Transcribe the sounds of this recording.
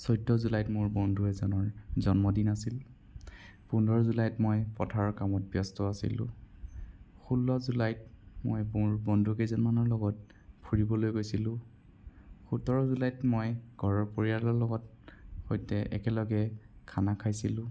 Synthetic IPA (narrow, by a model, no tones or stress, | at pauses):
sɔjdɔzulajtmʊɹbɔndʱuɛzɔnɔɹzɔnmɔdinasil | pundʱɔɹɔzulajtmojpɔtʰaɹɔkamɔt̚bjɔstɔasḭlʊ̰̃ | xulːɔzulajtmo̰jbuɹbɔndʱukejzɔnmanɔɹlɔɡɔt̚ | pʰuɹibɔlojɡojsilʊ̃ | xutɔɹɔzulajtmojɡ̥ʱɔɹɔɹpoɹialɔɹlɔɡɔt̚ | hojtɛʔɛ̰kɛlɔɡɛkʰanakʰajsilʊ̃